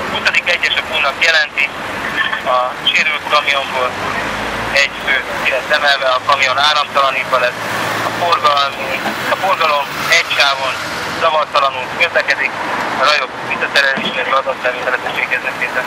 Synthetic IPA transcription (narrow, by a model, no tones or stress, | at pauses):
husod̪ikɛɟːɛʃɒkuːnɒkjɛlɛnt̪i | ɒʃeːɾylt̪kɒmijo̞mboːloɛɟføːiɾɛsɛmɛlvɛɒkɒmijo̞naːlɒmt̪ɒlɒnivɒlɛsɒforɡɒmɒfo̞rɡɒlo̞mɛɟʃaːvo̞n | t̪ɒvɒrt̪ːɒlɒnulkkøzlɛkɛd̪ikɒɾɒjo̞d̪ʋisɒt̪ɛɾɛleːʃɛzɒzɒt̪sɛɾit̪ɛlɛzɛʃʋeːɡɛznɛt̪eːt̪ɛ